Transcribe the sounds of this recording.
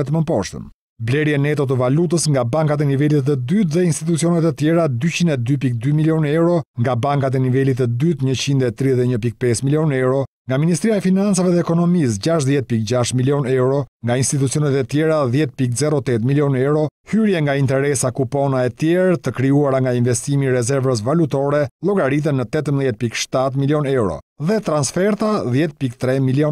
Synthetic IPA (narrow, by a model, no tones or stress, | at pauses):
ɛt̪əməpɔʃt̪ə̰n | blɛɾjɛnɛt̪ɔt̪̬əvalut̪̬əsŋɡabaŋkat̪̬ɛnivɛlit̪əd̪yt̪̬ðɛinst̪it̪̬ut͡siɔnɛt̪ət̪jɛɾad̪yt͡ɕinɛd̪yp̬ik̚d̪ymiljɔnɛwɾɔŋɡabaŋkat̪̬ɛnivɛlit̪əd̪yt̪ɲət͡ɕind̪ɛt̪ɾiðɛɲəpik̚pɛsmiljɔnɛwɾɔ | ŋɡaminis̬t̪ɾijaɛfinant͡savɛðɛːkɔnɔmis̬d͡ʑaʃðjɛt̪̚pik̚d͡ʑaʃt̪miljɔnɛwɾɔŋɡainst̪it̪̬ut͡siɔnɛt̪ɛt̪jɛɾaðjɛt̪̚pikzɛɾɔt̪ɛt̪miljɔnɛwɾɔhyɾjɛŋɡaint̪ɛɾɛsakupɔnaɛt̪jɛɾt̪əkɾiuaɾaŋɡainvɛst̪imiːɾɛzɛɾvəs̬valut̪ɔɾɛlˠɔɡaɾit̪̬ənːət̪ɛt̪əmðˠjɛt̪̚pikʃt̪at̪miljɔnɛwɾɔ̰ðɛt̪ɾansfɛɾt̪aðjɛt̪̚pikt̪ɾɛmiljɔn